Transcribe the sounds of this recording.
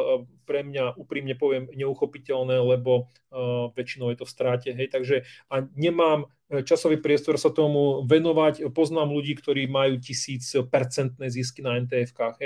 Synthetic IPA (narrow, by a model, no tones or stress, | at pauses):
pɾɛmɲaʔuːpɾiːmɲɛpɔʋɪɛmɲɛuxɔpicɛlnɛːlɛbɔ | ʋɛt͡ʃinɔʊjɛt̪ɔfst̪ɾaːcɛɦɛjt̪aɡʒɛaɲɛmaːm | t͡ʃasɔʋiːpɾɪɛst̪ɔɾsat̪ɔmuʋɛnɔʋacpɔznaːmluɟiːkt̪ɔɾiːmajuːcisiːt͡spɛɾt͡sɛnt̪nɛzis̬kinaɛnt̪̬ɛːɛfkaːɣɦɛ